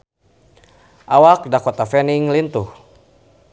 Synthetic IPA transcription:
ʔawak̚dakɔt̪afɛniŋlint̪uh

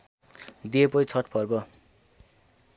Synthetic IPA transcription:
d̪iepʌjt͡sʰʌʈpʰʌrbʌ

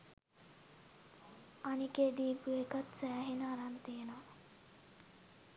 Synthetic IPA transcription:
aniked̪iːpuekat̪sæːɦenəaɾant̪iəna

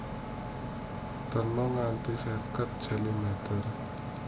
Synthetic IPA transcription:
t̪ərnɔŋant̪isɛkət̪̚d͡ʒɛlimɛt̪ər

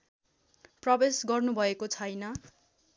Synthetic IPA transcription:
prʌbesɡʌrnubʱʌekot͡sʰʌjnʌ

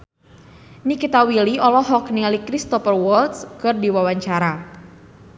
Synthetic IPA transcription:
nikit̪awiliɔlɔɦɔknilikɾist̪ɔpərwɔlt̪skɨrdiwawaɲt͡ʃaɾa

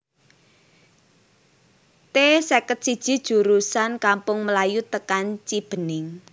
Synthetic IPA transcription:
t̪esɛkət̪̚sid̥ʒ̥i̤d̥ʒ̥ṳɾusankampʊŋməlajut̪əkant͡ʃib̥ə̤nɪŋ

